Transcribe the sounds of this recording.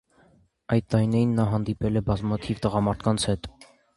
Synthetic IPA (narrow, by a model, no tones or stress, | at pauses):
ɑjt̪̚t̪ɑɾinɛɾinːɑɦɑnd̪ipɛlɛbɑzmɑt̪ʰivt̪əʁɑmɑɾt̪ʰkʰɑnt͡sʰhɛt̪